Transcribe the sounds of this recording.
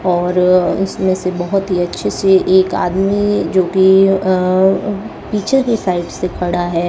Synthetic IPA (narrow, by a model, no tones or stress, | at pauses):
ɔːɾɪ̰smẽsebɐɦʊt̪ɦiɐtːʃʰeseʔeːka̰ːd̪mid͡ʒoːki | piːt͡ʃʰekesaːɪʈsekʰɐɽaɦɛː